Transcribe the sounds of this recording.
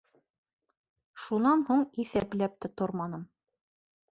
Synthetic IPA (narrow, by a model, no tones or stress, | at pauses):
ʃunɑnhuɴiθæplæp̚t̪ɘt̪oɾmɑnɤm